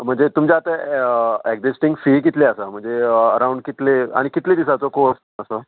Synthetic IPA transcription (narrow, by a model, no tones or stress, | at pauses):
m̤əɳd͡zet̪umd͡ʑaat̪a | eɡd͡zisʈĩŋɡfik̬it̪leəsam̤əɳd͡zeəɾãuɳɖkit̪lea̰ɽ̃ikit̪led̪isat͡sokoəs | əsa